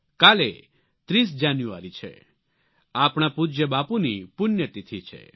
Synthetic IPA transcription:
kalḛ | t̪ɾis̬d͡ʒanjua̰ɾit͡ʃʰɛ̰ | apɽ̃apud͡ʒjəbapunipʊnjət̪it̪ʰit͡ʃʰɛ̰

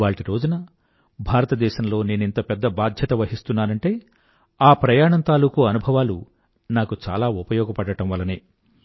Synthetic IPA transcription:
ʋaːɭʈiɾo̞ːd͡ʒunɐ | bʱaːɾɐt̪ɐd̪ɛːʃɐmlo̞ːne̞ːnint̪ɐpɛd̪ːɐbaːd̪ʱjɐt̪ɐʋɐɦist̪unːaːɾɐɳʈe̞ː | aːpɾɐjaːɳɐnt̪aːlukuɐnubʱɐʋaːlu | naːkut͡ʃa̰ːlaːupɐjɔːɡɐpɐɽɐʈɐ̃mʋɐlːɐnḛː

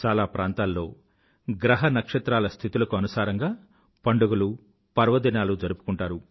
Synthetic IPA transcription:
t͡ʃaːlaːpɾʔaːnt̪aːlːo̞ː | ɡɾɐɦɐnɐkʂɐt̪ɾaːlɐst̪ʰit̪ulɐkuɐnusaːɾɐŋɡaː | pɐɳɖuɡɐlu | pɐɾʋɐd̪inaːlud͡ʒɐɾupu̥kuɳʈaːɾu

